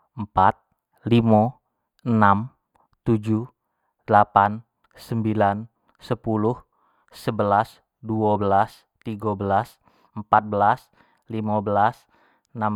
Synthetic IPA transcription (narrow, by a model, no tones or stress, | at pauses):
əmpat̪̚ | limɔ | ənam | t̪ud͡ʒuh | dəlapan | səmbilan | səpuluh | səbəlas | duabəlas | t̪iɡabəlas | əmpat̪̚bəlas | limabəlas | na